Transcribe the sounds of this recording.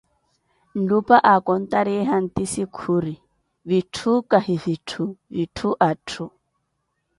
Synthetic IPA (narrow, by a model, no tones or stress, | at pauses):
n̩lupʼaʔakʼɔn̩t̪aɾiɦan̩t̪isikʰuɾi | bitʰukʼahifitʰubitʰuʔatʰu